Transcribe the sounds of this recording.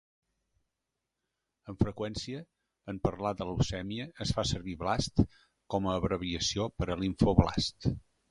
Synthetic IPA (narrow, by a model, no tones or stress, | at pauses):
əɱfɾəkwɛnsiəː | mpəɾlad̪ələwsɛmiəːsfasəɾβiβlast̪ | kɔməːβɾəβiəsiopəɾəliɱfoβla̰st̪